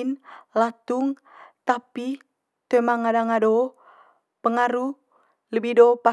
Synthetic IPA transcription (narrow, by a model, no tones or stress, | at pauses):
nlat̪uŋ | t̪api | t̪emaŋadaŋado | pəŋaɾu | ləbidopa